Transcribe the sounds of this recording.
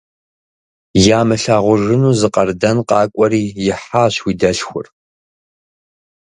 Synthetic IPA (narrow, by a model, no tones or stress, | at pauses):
jaːmɨɬaːʁʷʊʐɨnuːzɨqɐrdɐnqɑːkʷʼɔɾiːjɪħaːɕwiːdɐɬxʷʊ̰r